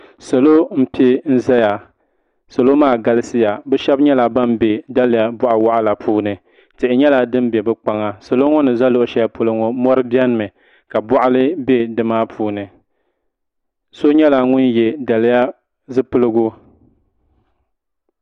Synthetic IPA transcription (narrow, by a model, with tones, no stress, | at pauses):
sa˨lo˦m̩˦pi˦e˦n̩˦za˦ja˨ | so˨lo˦maː˦˨ɡa˦lɨ˦sɨ˦ja˨bɛ˦ʃɛ˦bɲɛ˦la˨ba˦mbe˨da˦lja˨bʊ˨ʔa˨wa˨ʔa˦la˨pʰuː˦nɨ˨ | tɨ˨ʔɪ˨ɲɛ˦la˨dɨ˦mbɛ˨bɛ˦k͡pa˦ŋa˦sa˨lo˦ŋɔ˦nɨ˨za˦lo˨ʔʊ˨ʃɛ˦ja˦po˨lɨ˦ŋɔ˨mɔ˦ɾɨ˦bi˦ɛ˦n˦mɨ˨ | ka˨bɔ˨ʔa˦lɨ˦be˦dɨ˨maː˦pʰuː˦nɨ˨ | so˦ɲɛ˦la˨ŋʊ˦njɛ˨da˨lɪ˦ja˦ | zɨ˦pɨ˦lɨ˦ɡʊ˦